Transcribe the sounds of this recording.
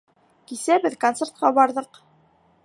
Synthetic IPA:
kisæbɘðkont̪sert̪̚qɑbɑɾðɤq

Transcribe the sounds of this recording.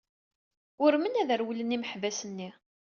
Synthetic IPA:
ʊɾmənæðəɾwələnːiməħvæsənːi

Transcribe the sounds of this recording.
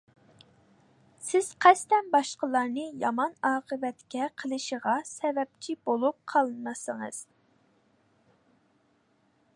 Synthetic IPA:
sɪz̥qʰɛst̪ɛnbɑʃqəlˠɑɾnɨjɑmɑnɑːqəvɛt̪kʲɛqʰəlˠɨʃəʁɑsɛvɛp̚t͡ʃʰibolˠup̚qʰɑlˠɨnmɑsəŋə̰z̥

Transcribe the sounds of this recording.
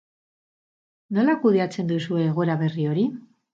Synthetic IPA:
no̞lakuð̞e̞at͡se̞nd̪usue̞ːɣ̞o̞ɾaβe̞rio̞ɾi

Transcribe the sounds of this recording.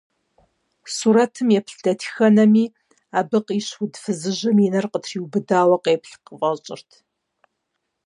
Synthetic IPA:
suːɾɐtʰɨmjɛpɬd̥ɐtʰi̥xɐnɐmiː | aːbɨqiːɕwʊdfɨzɨʑɨminɐrqətʰriːwbɨdaːwɐqeːpɬqəfʼɐt͡ʃʼɪ̰rtʰ

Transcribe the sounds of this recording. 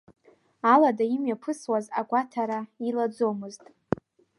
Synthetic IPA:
aladaimjapʰɨswazaɡʷatʰaɾailad͡zo̞mɨztʼ

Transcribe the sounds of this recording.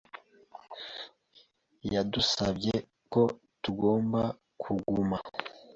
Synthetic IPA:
jadusabɟe | ko̞ | tuɡo̞ːmba | kʰuɡuma

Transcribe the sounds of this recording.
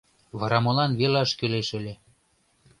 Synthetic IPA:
βɑɾɑmɤ̆lɑnβelɑʃkøleʃə̆lʲĕ

